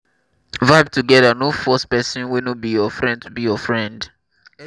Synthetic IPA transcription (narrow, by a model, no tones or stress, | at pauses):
vaɪb̚tuɡɛdanofɔspɛsɔ̃nwɛnobijɔfɹɛ̃ndtubijɔfɹɛ̃nd